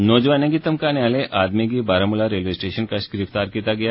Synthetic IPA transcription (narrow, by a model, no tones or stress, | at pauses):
noːd͡ʑʋaneɡit̪əmkanaleʔad̪meɡiːbaɾamulaɾelisʈeɕənkaɕɡɾift̪aɾkit̪aɡja